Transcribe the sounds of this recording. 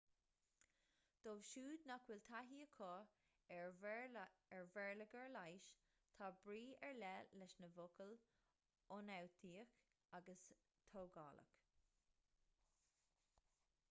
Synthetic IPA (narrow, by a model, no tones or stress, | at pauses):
d̪̥ovʃuːd̪nakwɪlt̪ʰaɦiːəkʰɔː | ɛɹvɛɹləɡəɹlajʃ | t̪ʰaːbɾiːɛɹlɛlɛʃnəvʊkəl | ʊnawt̪ʰiːəx | aɡəs | t̪ʰowɡɑ̰ːlə̰k